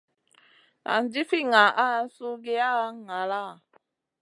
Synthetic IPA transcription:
a̰˨n˦d͡ʒi˦fi˦ŋa˨ʔa˦su˦ɡe˦a˦ŋa˨la˦˨

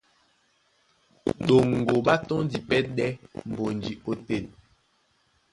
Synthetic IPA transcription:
ɗo˨ŋ˨ɡo˨ɓa˦tɔ˦ŋdi˨pɛ˦ɗɛ˦m̩˨bo˨n˨d͡ʒi˨o˦tɛ˦˨l

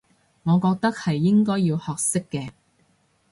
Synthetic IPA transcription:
ŋɔː˨˧kɔː˧k̚t̪ɐ˥k̚hɐ˨jːɪ˥ŋkɔː˥jiː˧whɔː˨k̚sɪ˥kːɛː˧

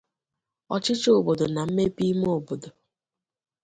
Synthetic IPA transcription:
ɔ˨t͡ʃɪ˦t͡ʃo˨bo˨do˨na˨m̩˦me˦pi˦m˦o˨bo˨do˨

